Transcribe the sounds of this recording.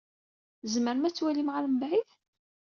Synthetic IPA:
zməɾmæt͡sːwælimʁalmbʕiθ

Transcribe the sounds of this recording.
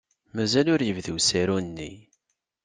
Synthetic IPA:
mæzælʊɾjəvðuwsæɾunːi

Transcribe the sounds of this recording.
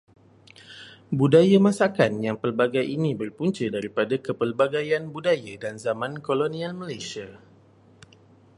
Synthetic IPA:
budajamãsakanjaŋpəlbaɡajʔinĩbərpuɲt͡ʃədaɾipadakəpəlbaɡajanbudajadanzamãnkolonĩalməlajsia

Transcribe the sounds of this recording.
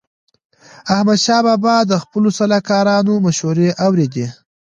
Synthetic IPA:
ahmad̪ʃɑbɑbɑd̪əxpəlosalɑkɑɾɑnomaʃhuɾeʔawɾed̪i

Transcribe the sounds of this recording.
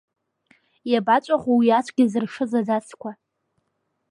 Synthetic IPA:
jabat͡ʃʷʼaχʷuwiat͡ʃʷʰʼɡʲɪzɨrʂɨzazat͡sʰkʷʰa

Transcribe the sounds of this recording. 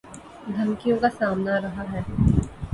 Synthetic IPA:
d̪ʱɐŋkijõkasaːmnaɾɐɦaɦɛː

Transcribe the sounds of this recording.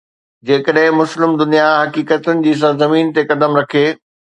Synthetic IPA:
d͡ʑeːkəɗɦɪ̃mʊslɪmd̪ʊnijaɦɐkiːkət̪ʊnɪ̆d͡ʑiːs̬ɐɾzɐmiːnt̪ekɐd̪əmɾɐkʰeː

